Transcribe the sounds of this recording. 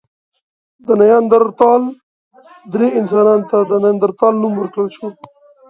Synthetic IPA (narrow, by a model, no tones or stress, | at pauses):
d̪ənajɑnd̪aɾt̪ɑl | d̪ɾeɪnsɑnɑnt̪ad̪ənajɑnd̪aɾt̪ɑlnumwəɾkɽəlʃo